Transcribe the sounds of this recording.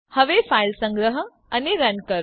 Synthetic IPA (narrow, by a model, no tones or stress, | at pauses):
həʋefailsə̃ŋɡɾəɦə | əneɾɐnkəɾ